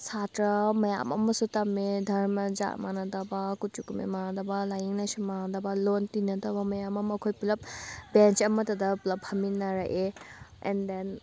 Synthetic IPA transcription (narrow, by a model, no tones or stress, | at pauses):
satɾamɐja̰mɐ̰mɐsutamedʱɐɾmɐd͡ʒa̰ʔmanɐdabakut͡ʃukumḛmanadabalajiŋnajsumandabalontinɐdabɐmɐjamɐmɐkʰojpulɐp̚bent͡ʃɐmɐtɐdɐpulɐp̚hɐminɐɾaʔeɛ̰nden